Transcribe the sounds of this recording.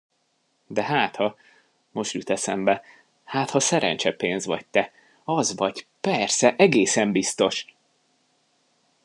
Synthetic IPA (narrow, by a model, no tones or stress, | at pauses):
d̪ɛɦaːt̪hɒ | mo̞ʃt̪yt̪ɛsɛmbɛ | haːt̪hɒsɛɾɛ̰nt͡ʃɛpeːnzʋɒ̰c̚t̪ɛ | ɒzvɒɟpɛrsɛʔɛɡeːsɛmbist̪o̞ʃ